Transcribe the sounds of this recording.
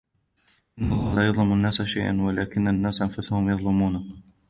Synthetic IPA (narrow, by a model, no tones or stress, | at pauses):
ʔɪnːalˤːɑːlaːjɑðˤlʊmanːaːsʃajʔa̰nwalaːkɪnːanːaːsʔanfʊsahʊmjɑðˤlɪmuːna